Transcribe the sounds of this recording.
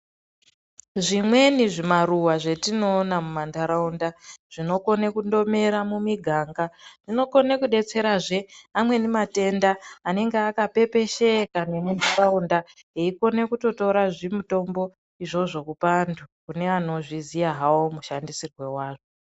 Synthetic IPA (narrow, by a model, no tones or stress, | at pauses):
ʐimwe̞niʐimaruwaʐe̞tino̞ːnamumandaɾaundaʐ̥ino̞ko̞nekundo̞me̞ɾamumiɡʱaːŋɡaʐ̥ino̞ko̞ne̞kuɗe̞t͡se̞ɾaʐe̞amwe̞nimate̞ndaːne̞ŋɡeakape̞pe̞ʃe̞kane̞mundaraunda | ɦeiko̞ne̞kuto̞to̞ɾaʐimuto̞mbo̞ | iʐo̞ʐo̞kupandʰukune̞ano̞ʐizijaɦaomuʃandisirwe̞waːʐo